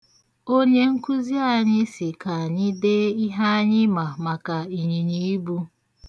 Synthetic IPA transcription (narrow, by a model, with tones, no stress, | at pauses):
o˦ɲe˦ŋ̩˦ku˦zi˦a˨ɲɪ˦sɪ˨ka˨a˨ɲɪ˦de˦i˦ɦa˦ɲɪ˦ma˨ma˨ka˨i˨ɲi˨ɲi˨i˦bu˦